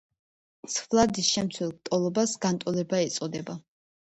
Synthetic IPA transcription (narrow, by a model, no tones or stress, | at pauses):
svlˠad̪isʃɛmt̪sʰwɛlˠk̚t̪ʼɔlˠɔbasɡant̪ʼɔlɛbaɛt̪sʼɔd̪ɛba